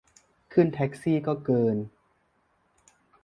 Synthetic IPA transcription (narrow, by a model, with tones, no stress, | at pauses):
kʰɯ˥˩nt̪ʰɛ˦˥k̚siː˥˩kɔː˥˩kɤː˧n